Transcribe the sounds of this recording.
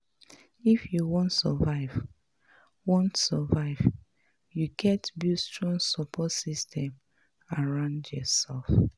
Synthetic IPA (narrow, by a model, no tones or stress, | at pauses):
ifjuwõntsɔvaɪv | wɔ̃ntsɔvaɪv | juɡɛtbustɹɔ̃ŋsɔpʰɔtsistʰɛ̃m | aɹãʊ̃ndjɔsɛlf